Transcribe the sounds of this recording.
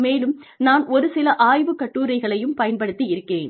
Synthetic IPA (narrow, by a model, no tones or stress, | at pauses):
meːlɯmnaːnɔɾɯsɪlɐʔaːjʋɯkːɐʈːuːɾɐɪɣɐɭɐjɯmpɐjɐnpɐɽɯt̪ːiɪɾɯkːeːn